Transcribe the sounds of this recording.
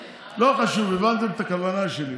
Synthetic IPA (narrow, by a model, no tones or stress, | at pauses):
loχaʃuvevant̪emet̪akavanaʃeli